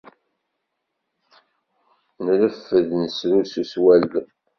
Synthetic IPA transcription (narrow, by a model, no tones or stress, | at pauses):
nləfːəðnəsɾususwælː